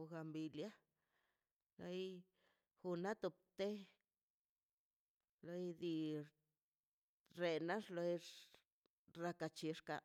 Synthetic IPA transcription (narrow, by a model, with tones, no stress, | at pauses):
ɡa˧mbi˧lja˦ | lo˧j | xu˧na˦t̪u˧p̚t̪e˦ | lo˧jd̪i˧ | ɾe˧na˦ʐlo˧j | ɾa˧ka˧t͡ʃi˧ʂka̰˧